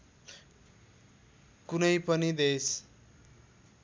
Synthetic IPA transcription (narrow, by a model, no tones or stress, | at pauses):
kunʌjpʌnid̪es